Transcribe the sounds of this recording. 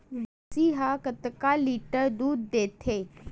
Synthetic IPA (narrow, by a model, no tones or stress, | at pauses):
ʋ | siɦakət̪kaliʈəɾd̪uːd̪ːet̪ʰe